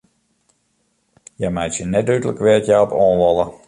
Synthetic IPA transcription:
jɛjmajtjənɛtdytələkʋɪtjɛɔpɔːnlɔlˠə

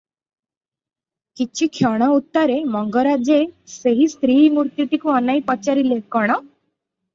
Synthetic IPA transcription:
kit͡ʃʰikʰjɔɽ̃ɔut̪ːaɾemɔŋɡɔɾad͡ʒeseɦist̪ɾiːmuɾt̪jiʈikuɔnajpɔt͡ʃaɾilekɔɽ̃ɔ

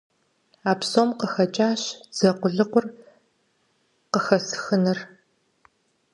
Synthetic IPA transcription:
aːpsoːmqəxɐt͡ʃʼaːɕd͡z̥ɐqʷʊɮɨqʷʊr | qəxɐsxɨnɐr

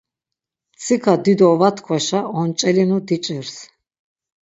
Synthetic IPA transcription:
t͡sʰikʰad̪id̪ɔvat̪ʰkʰwaʃaɔnt͡ʃʼɛlinud̪it͡ʃʼɛɾs

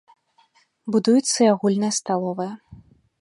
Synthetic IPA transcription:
bud̪ujut̪sːɐjaɣulʲnɐjɐst̪alˠɔvɐjɐ

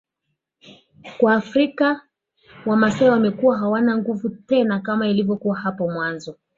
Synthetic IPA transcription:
kwaːfɾika | wamasɛɛwamɛkuwaɦawanaŋɡuvutɛnakamailivjɔkuahapɔmwanzɔ

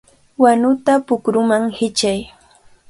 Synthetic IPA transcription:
wanʊt̪apʊkɾʊmaŋhɪt͡ʃaj

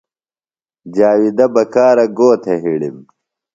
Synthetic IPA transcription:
d͡ʑaːwid̪ɐbɐkaːɾɐɡoːt̪ʰeɦiɽim

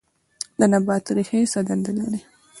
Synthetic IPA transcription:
d̪ənabɑt̪ɾihesad̪and̪əlaɾi

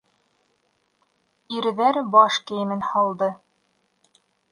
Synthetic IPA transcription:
iɾɘ̆ðæɾbɒʃkɘ̆jɘ̆mɘnhɑlˠd̪ɤ

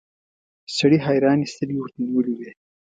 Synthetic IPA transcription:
saɽiɦɑjɾɑːnist̪əliwəɾt̪aniwəliwe

